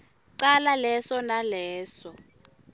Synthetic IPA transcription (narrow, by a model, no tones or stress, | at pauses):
ǀalalɛsɔnalɛːsɔ